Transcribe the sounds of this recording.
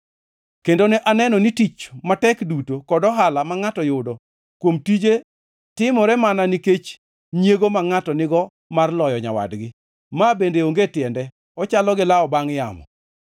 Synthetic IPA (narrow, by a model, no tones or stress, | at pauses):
kendoneʔanɛnɔnitit͡ʃmatɛkdutokɔdɔɦalamaŋatɔjʊdɔ | kwomtid͡ʒe | tɪmɔɾɛmananiket͡ʃ | njeɡomaŋatɔnɪɡɔ | marlɔjɔɲawa̰dɡɪ | mabendeoŋɡetɪjɛndɛ | ɔt͡ʃalɔɡɪlaɔbaŋja̰mɔ̰